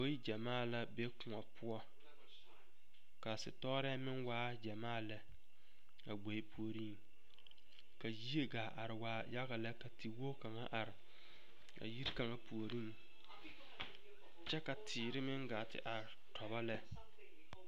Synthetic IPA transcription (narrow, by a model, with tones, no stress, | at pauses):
o˦ji˦d͡ʒa˨maː˦˨la˦be˦kʊ˨ŋa˨pʰʊ˦ɔ˦ | ka˨sɪ̰˨tɔ˦ɾɛ˦mɪ˦nwaː˦d͡ʒa˨maː˦˨lɛ˦ | a˨ɡ͡bo˨i˦pu˨o˨ɾi˦˨ŋ | ka˨ji˦e˦ɡaː˨ʔa˨ɾɪ˨waː˨˦ja˦ɣa˨lɛ˦ka˨tʰi˨wo˦ka˨ŋa˦ʔa˨ɾɪ˨ | a̰˨ji˦ɾka˨ŋa˦pu˨o˨ɾi˦ŋ | t͡ʃɛ˦ka˨tʰɪː˨ɾɪ˦mɪ˦ŋɡa˨tɪ̰˦ʔa˨ | tʰɔ˨ba˦lɛ˦